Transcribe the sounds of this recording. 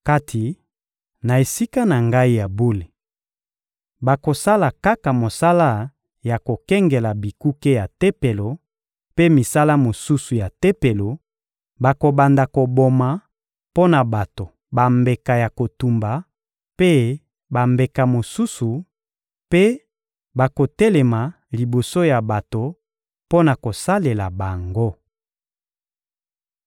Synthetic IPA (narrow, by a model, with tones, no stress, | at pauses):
ka˦tʰi˨ | na˨e˨si˦ka˦na˨ŋɡa˦i˦ja˨bo˦le˨ | ba˨ko˨sa˦la˨ka˦ka˨mo˨sa˦la˦ | ja˨ko˨kɛ˦ŋɡe˨la˨bi˨ku˦ke˦ja˨tɛ˦pe˨lo˨ | pe˦mi˨sa˦la˦mo˨su˦su˨ja˨tɛ˦pe˨lo˨ | ba˨ko˨ba˨nda˨ko˨bo˨ma˨ | po˦na˨ba˨to˨ | ba˨mbe˨ka˨ja˨ko˨tu˨mba˨ | pe˦ | ba˨mbe˨ka˨mo˨su˦su˨ | pe˦ | ba˨ko˨tɛ˦le˨ma˨ | li˨bo˨so˦ja˨ba˨to˨ | po˦na˨ko˨sa˦le˨la˨ba˨ŋɡo˦